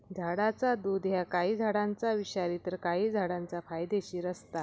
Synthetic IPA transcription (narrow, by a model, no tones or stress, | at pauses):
d͡zʱaɽat͡sad̪uːd̪ɦjakaɦiːd͡zʱaɽãnt͡saʋiɕaɾiːt̪əɾkaɦiːd͡zʱaɽãnt͡safajd̪eɕiːɾəst̪a